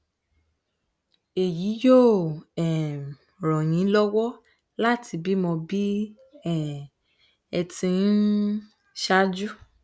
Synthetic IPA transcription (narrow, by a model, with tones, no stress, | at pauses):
e˨ji˨˦jo˦˨ɛ˨ | ɾɔ̃˨j̃ĩ˨˦lɔ˦wɔ˦ | la˦tʰi˧bi˦mɔ̃˧bi˦ | ɛ˦˨ | ɛ˧tĩ˧˦n˦ | ʃa˦d͡ʒu˦